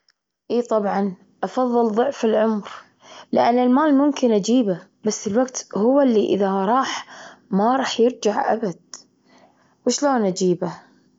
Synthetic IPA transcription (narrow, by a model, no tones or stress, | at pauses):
ʔiːt̪ˤɑbʕɑn | ʔɑfɑðˤːɨlðˤʊʕfɪlʕʊmɾ | lɪʔanːɪlmaːlmʊmkɪnʔad͡ʒiːba | basːɪlwaɡt̪hʊwːalːiʔɪ̰ðaɾˤɑːħmaɾˤɑːħjɪɾd͡ʒaʕʔa̰bad̪̥̚ | wɪʃloːnʔad͡ʒiːba